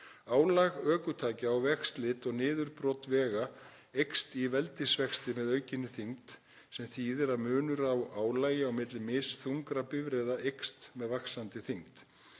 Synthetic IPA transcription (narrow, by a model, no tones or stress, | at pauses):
aːwlaɣœːkʏt̪ʰaːcɪawvɛxst̪lɪt̪ɔɣnɪːðʏɾpɾɔwt̪vɛːɣa | ejkst̪ivɛlt̪ɪsvɛkst̪ɪmɛðœːɥcɪnːɪθiŋt̪ | sɛmθiːðɛɾaðmʏːnʏɾawaːwlaːjɪawmɪt̪lɪmɪsθuŋkɾapɪvɾɛðaʔejkst̪mɛðvaxsant̪ɪθiŋt̪